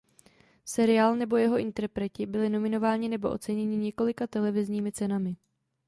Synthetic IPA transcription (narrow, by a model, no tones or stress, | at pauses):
sɛɾɪaːlnɛbo̞jɛɦo̞ʔɪnt̪ɛɾpɾɛcɪbɪlɪno̞mɪno̞vaːɲɪnɛbo̞ʔo̞t͡sɛɲɛɲɪɲɛko̞lɪkat̪ɛlɛvɪzɲiːmɪt͡sɛnamɪ